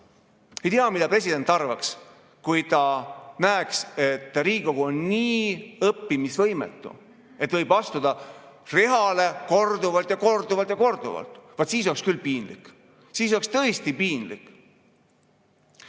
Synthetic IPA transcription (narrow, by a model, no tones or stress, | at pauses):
e̞jt̪iɑmid̪̥ɑpre̞sid̪̥e̞nt̪ːˑɑrvɑks | kujt̪ɑnæekse̞t̪ːɾiːko̞ɡ̥uo̞nːiːɤpːimisvɤjmḛt̪ːṵ | e̞t̪ːvɤjbɑst̪ud̪̥ɑreɦɑle̞ko̞rd̪uvɑlt̪jɑko̞rd̪uvɑlt̪jɑko̞rd̪̥ṵvɑ̰lt̪ˑvɑt̪siːs̬o̞lekskylpiːnlḭkː | siːso̞lekst̪ɤ̞est̪ipiːnlḭkː